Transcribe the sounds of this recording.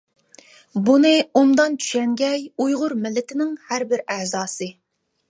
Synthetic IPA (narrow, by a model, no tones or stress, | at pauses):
bunɨumd̪ɑnt͡ʃʰy̥ʃɛŋɡʲɛjujʁʊɾmɪlːɪt̪ʰɪnɪŋhæɾbɪɾæhzɑːsɨ